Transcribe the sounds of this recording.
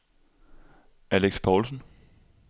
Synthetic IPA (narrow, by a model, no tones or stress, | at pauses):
æleɡ̥spʰɒːlsn̩